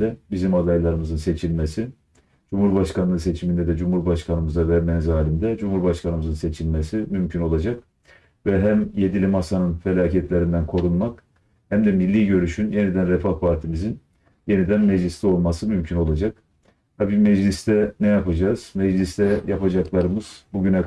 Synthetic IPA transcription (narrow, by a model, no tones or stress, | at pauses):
ɛbizimad̪ajlˠaɾɯmɯzɯnse̞t͡ʃʰilʲmesi | d͡ʒumhuɾbaʃkanˠɯːnse̞t͡ʃʰimind̪ɛd̪ɛd͡ʒumhuɾbaʃkʰanɯmɯzavɛɾmɛnzaːlʲind̪ɛd͡ʒumhuɾbaʃkanɯmɯzɯnse̞t͡ʃʰilʲmesimymcʰyno̞lˠad͡ʒak̚ | vɛɦæmje̞d̪ilʲimasanɯnfe̞lʲaːcʰɛt̪lʲeɾind̪ænkʰo̞ɾunmak | hæmd̪ɛmilʲːiːɟø̞ɾyʃynje̞nid̪ænɾɛfahpʰaɾt̪ʰimizin | je̞nid̪ænmɛd͡ʒlʲist̪ɛo̞lˠmasɯmymcʰyno̞lˠad͡ʒak̚ | t̪ʰabiːmɛd͡ʒlʲist̪ʰɛnɛjapad͡ʒaːz̥mɛd͡ʒlʲist̪ʰɛjapad͡ʒaklˠaɾɯmɯz̥buɟynɛ